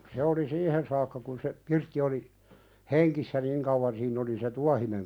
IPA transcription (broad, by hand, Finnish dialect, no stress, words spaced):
se oli siːhen sɑːkːɑ kun se pirtːi oli heŋkisːæ niŋ kɑuwɑn siːnː oli se tuɑhineŋ